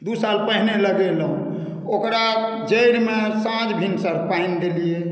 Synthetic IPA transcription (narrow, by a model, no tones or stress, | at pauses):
d̪usalpəɦneləɡelɦṵ̃ | okɾa | d͡ʒəjɾmesãd͡ʒbʱinsəɾpaind̪elije